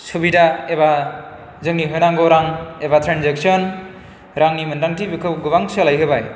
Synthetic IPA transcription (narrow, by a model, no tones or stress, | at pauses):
subidaeba | zɯŋniɦɯjnaŋɡɔɾaŋebatʰɾanzek̚sɔn | ɾaŋnimɯndaŋtʰibikʰɯwɡɯβaŋsɯlajɦɯbaj